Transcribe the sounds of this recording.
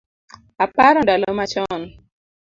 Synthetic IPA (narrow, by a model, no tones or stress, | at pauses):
apaɾɔndalomat͡ʃɔn